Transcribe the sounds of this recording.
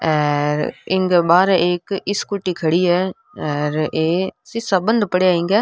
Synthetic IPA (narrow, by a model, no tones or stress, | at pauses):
ɛːɾɪŋɡbaːɾɛʔeːkɪskʊʈːiːkʰəɽiːɛː | ɛːɾeːsɪsabənd̪pəɽeaːɪ̃ŋɡɛː